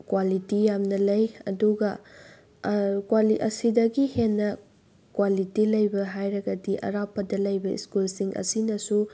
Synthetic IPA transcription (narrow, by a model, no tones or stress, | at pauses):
kwalitijamnɐlɐjɐ̰duɡɐ | kwaliʔɐ̰sidɐɡihenːɐ | kwalitilɐjbɐɦajɾɐɡɐdiʔɐ̰ɾapʰːɐdɐlɐjbɐḭskulsiŋʔɐ̰sinɐsu